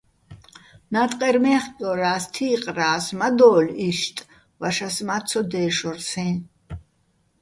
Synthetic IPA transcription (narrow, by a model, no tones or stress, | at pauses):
nat̪ʼqʼɛɾmɛːχkʼɔɾaːst̪ʰiːqʼraːsmad̪ɔːliʃt̪ʼ | vaʃasmat̪sʰɔd̪ɛːʃɔrsɛ̃n